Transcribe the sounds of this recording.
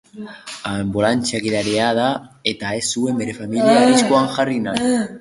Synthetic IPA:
aembolant͡ʃakiðaɾeað̞aet̪ae̞sue̞mbeɾefamiliaβiskoaŋʝarina

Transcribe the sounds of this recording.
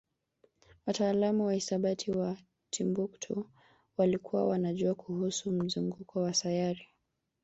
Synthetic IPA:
wataːlamuwahisaɓatʰiwa | tʰimbuktʰṵ | walikʰuwa̰wanaʄuakʰuhusum̩zuŋɡukʰɔwasajaɾi

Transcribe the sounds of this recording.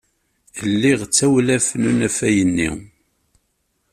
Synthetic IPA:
əlːiʁt͡sːæwlæfnunæfæjənːḭ

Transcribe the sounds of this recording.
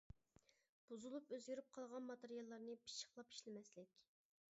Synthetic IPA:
b̥uzulˠupøzjyɾyp̚qʰɑlˠʁɑnmɑt̪eɾijɑlˠːɑɾnɨpʰi̥ʃə̥χlˠɑpi̥ʃlɪmɛslɪkʲ

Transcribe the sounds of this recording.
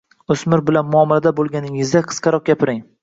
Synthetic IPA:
osmɪɾbɪlanmʊɒmːalad̪abolˠɡʲanɪŋɪzd̪aqʰɨ̥sqɑɾɒq̚ɡʲapʰɪɾɪŋ

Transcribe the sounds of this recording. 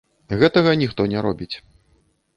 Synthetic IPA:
ɣɛt̪ɐɣɐnʲixt̪ɔnʲɛɾɔbʲit͡sʲ

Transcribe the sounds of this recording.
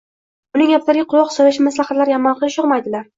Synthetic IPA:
bʊnɪŋapt̪aɾɡʲaqʰʊwɒqsɒlaʃɪmaslaχat̪laɾjamɒnqʰɨlˠɪʃʊʁmajd̪ɪlaɾ

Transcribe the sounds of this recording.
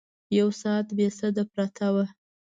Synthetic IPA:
jawsɑːt̪besəd̪apɾat̪ʰawa

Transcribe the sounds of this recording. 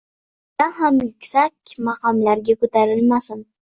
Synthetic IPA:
naɦamjɪkʲsakʲmɑqɑmlaɾɡʲakɵt̪ʰaɾɪlmasɪn

